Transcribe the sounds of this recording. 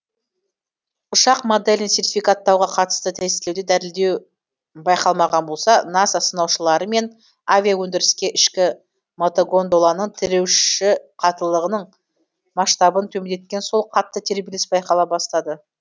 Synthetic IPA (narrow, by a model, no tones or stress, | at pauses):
ʊʃɑqmod̪elʲɪnse̞rt̪ifʲijkat̪ːɑwʁɑqʰɑt̪ə̥st̪ət̪ʰæzɪe̞wd̪ed̪æɾɪld̪e̞w | bɑjqɑlˠmɑʁɑnbo̞lˠsɑnɑsɑsənɑwʃəlˠɑɾəme̞n | avʲijawɵnd̪ɪɾɪskʲe̞ʔɪʃkʲɪ | mot̪oɡo̞nd̪olˠɑnəɴt̪ʰɪɾewʃɪqʰɑt̪əlˠəʁənəɴ | mɑʃt̪ɑbənt̪ʰɵmɪnd̪e̞t̪̚kʲe̞nso̞lˠqʰɑt̪ːət̪ʰe̞ɾbelʲɪsbɑjqɑlˠɑbɑst̪ɑd̪ə